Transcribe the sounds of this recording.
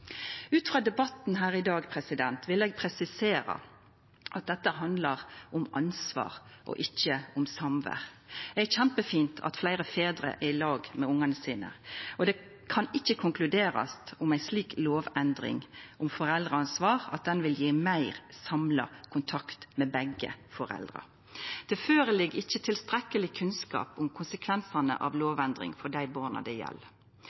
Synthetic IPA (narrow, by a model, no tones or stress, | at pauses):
ʉːt̪fʁɑːd̪ɛbɑt̪n̩ɦæːʁɪd̪ɑːɡpʰɾɛsɪd̪ɛnt̪ʋɪlɛːɡ̚pʰɾɛsɪseːɾɑ̰ | ʔɑt̪̚d̪ɛt̪ːəɦɑnd̪lɑʁʊmɑ̰nsʋɑ̰ːʁʔɔ̰ʔɪçːəʊmsɑmʋə̰ʁ | d̪ɛæçæmpəfiːnt̪ʰɑ̰t̪flæɪɾəfeːd̪ɾə̰ʔæɪlɑːɡmɛʊŋːɑnəsiːnə̰ʔɔd̪ɛ | kʰɑnɪçːəkʰʊŋklʉd̪eːɾɑ̰st̪ʊmæɪsliːkloːʋɛnd̪ɾɪ̰ŋʔʊmfɔɾɛld̪ʁɑnsʋɑːʁɑ̰t̪̚d̪ɛnʋɪljiːmæɪʁsɑmlɑ̰kʰʊnt̪ʰɑkt̪mɛbɛɡə̰fɔɾɛ̰ld̪ɾɑ̰ | d̪̥ɛføːɾəlɪɡɪçːət̪ʰɪlst̪ɾɛkːəlɪkʰʉnskɑ̰ːpʊmkʰʊnsəkʰʋɛnsɑnə̰ʔɑ̰ʋloːʋɛnd̪ʁɪ̰ŋfɔd̪æɪbɑːʁnɑ̰d̪ɛjɛ̰l